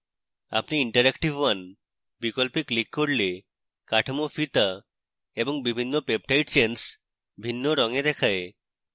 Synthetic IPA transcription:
a̰pniiɳʈaɾɛkʈibwan | bikolpiklikːoɾle | kaʈʰamofit̪a | eboŋbibʱinːopep̚ʈʰajʈt͡ɕens | bʱinːoɾɔŋed̪ɛkʰae

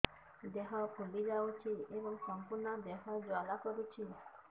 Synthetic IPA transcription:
d̪eɦãpʰulid͡zaut͡ʃʰieʋəmsəmpuɾnad̪eɦad͡zwalakəɾut͡ʃʰi

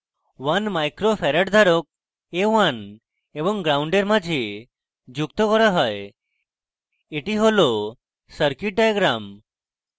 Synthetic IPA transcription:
ʋanmajkɾofʰɛɾəʈd̪ʱaɾɔk̚ | eʋan | ebɔŋɡɾauɳɖeɾmãd͡ʒʱe | d͡ʒuk̚t̪ɔkɔɾaɦɔe | eʈiɦolo | səɾkiʈ̚ɖajɡɾam

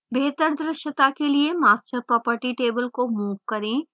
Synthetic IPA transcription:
bʱeːt̪əɾd̪ɾəʃət̪akeliemaːsʈəɾpɾɔːpəɾʈiʈeːbəlkomuːʋkɐɾẽː

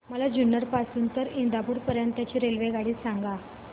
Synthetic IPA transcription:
məlad͡ʑunːəɾpasuːnt̪əɾind̪apuːɽpəɾjənt̪at͡ɕiːɾelʋeɡaɽiːsaŋɡa

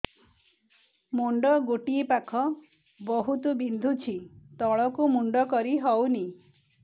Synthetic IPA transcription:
muɳɖɔɡoʈiepakʰɔ | bɔɦut̪ubind̪ʱut͡ʃʰit̪ɔɭɔkumuɳɖɔkɔɾiɦɔwni

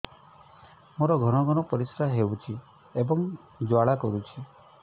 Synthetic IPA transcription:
moɾɔɡʱɔɽ̃ɔɡʱɔɽ̃ɔpɔɾisɾaɦeut͡ʃʰi | ebɔŋ | d͡ʒwaɭakɔɾut͡ʃʰi

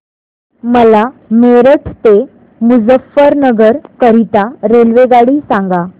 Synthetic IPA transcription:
məlameɾəʈʰt̪e | mud͡zəfːəɾnəɡəɾkəɾit̪aɾelʋeɡaɽiːsãŋɡa

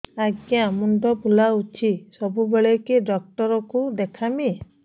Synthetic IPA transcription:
aɡjamuɳɖɔpulaut͡ʃʰisɔbubeɭekeɖɔk̚ʈɔɾɔkud̪ekʰami

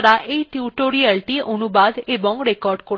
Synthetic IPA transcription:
ɾaʔʔejʈuʈoɾialʈiʔonubad̪ebɔŋɾekɔɾɖko

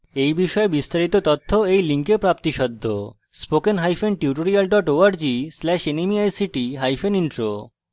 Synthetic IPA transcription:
ejbiʃɔebist̪aɾit̪ot̪ɔt̪ʰːoejliŋkepɾapt̪iʃɔd̪ʱːo̰ | spokenɦajfenʈiuʈ̬oɾialɖɔʈoaɾd͡ʑislɛʃenemiajsiʈiɦajfeninʈɾo

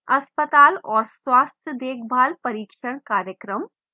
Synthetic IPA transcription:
ɐspət̪aːlɔːɾsʋast̪ʰjəd̪eːkʰbʱalpəɾiːkʃəɳ̃kaːɾjəkɾəm

